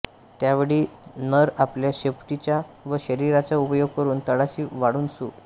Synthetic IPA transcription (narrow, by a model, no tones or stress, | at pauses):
t̪jaʋəɽiːnəɾapljaɕepʈit͡ɕaʋəɕəɾiɾat͡saupəjoɡ̚kəɾuːnt̪əɽaɕiːʋaɽuːnsṵː